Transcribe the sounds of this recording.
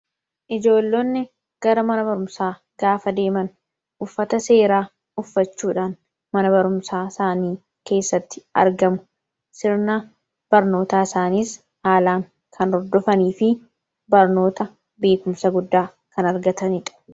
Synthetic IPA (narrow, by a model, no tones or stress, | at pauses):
ʔɪd͡ʒo̞ːlːonːɪ | ɡ̥ɐɾɐmɐnɐbɐɾʊmsaː | ɡaːfɐd̪e̞ːmɐn | ʔʊfːɐt̪ɐse̞ːɾaː | ʊfːɐt͡ʃːuːᶑaːn | mɐnɐbɐɾʊmsaːsaːniː | ke̞ːsːɐt̪ːɪ̥ɐ̰ɾɡɐmʊ̥ | sɪɾna | b̥ɐɾno̞ːt̪aːɪsaːniːs | haːlaːŋ | kʰɐnɔɾd̪ɔfɐniːfɪ | bɐɾno̞ːt̪ɐ | be̞ːkʊmsɐɡʊd̪ːaː | kɐnɐɾɡɐt̪ɐnɪᶑɐ̥